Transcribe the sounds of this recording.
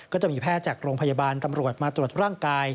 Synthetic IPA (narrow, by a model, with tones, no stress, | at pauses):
kɔː˥˩t͡ɕa˨˩miː˧pʰɛː˥˩t̪̚t͡ɕaː˨˩k̚ɾoː˧ŋpʰa˧jaː˧baː˧nt̪a˧mɾu˨˩ət̪̚maː˧t̪ɾu˨˩ət̪̚ɾaː˥˩ŋkaː˧j